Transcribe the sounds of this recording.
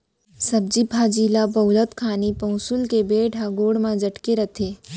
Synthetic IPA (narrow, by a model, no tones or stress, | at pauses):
sɐb̚d͡ʒipaːd͡ʒiːlabɐʊlət̪kʰaːnipɐ̃ʊsʊlkebeːʈaɡoːɽmãd͡ʒɐʈkeɾɐt̪ʰeː